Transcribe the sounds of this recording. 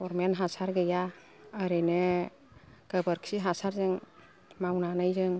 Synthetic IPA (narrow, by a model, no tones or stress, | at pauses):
ɔɾmenɦasaɾɡɯjaː | ɾɯnɯ | ɡ̥əbəɾkʰsiɦasaɾzɯŋ | mawnanɯjzɯŋ